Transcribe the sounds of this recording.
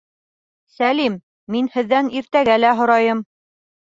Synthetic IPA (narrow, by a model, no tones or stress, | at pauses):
sælimː | inhɘ̆ðːæniɾt̪æɡælæɦŏɾɑjɤm